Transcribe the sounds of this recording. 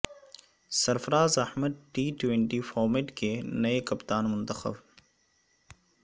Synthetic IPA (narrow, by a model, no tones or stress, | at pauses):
sɐɾfɐɾaːzɐhməd̪̚ʈiːʈwẽɳʈifɔːɾmeʈkenɐekɐpt̪aːnmʊ̃nt̪ɐxə̰b